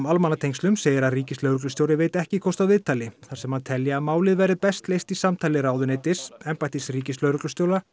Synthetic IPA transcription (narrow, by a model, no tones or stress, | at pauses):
malmanat̪ʰejŋkst̪lʏmseːjɪɾaðriːcɪslœːwɾʏklʏsjowɾɪveːjt̪ɛhcɪkʰɔwst̪aðvɪðt̪ʰaːlɪθaɾ̥sɛmhant̪ʰɛljaamaːwlɪðvɛɾɪpɛst̪lejst̪isamt̪ʰaːjlɪɾaːwðʏneːjt̪ɪsɛmpajt̪ɪsriːcɪslœɥɾʏklʏst̪joːwla